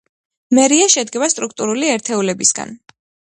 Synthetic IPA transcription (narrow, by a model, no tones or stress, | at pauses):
mɛɾiaʃɛd̪ɡɛbast̪ʼɾukʰt̪ʼuɾuliɛɾt̪ʰɛulɛbisɡa̰n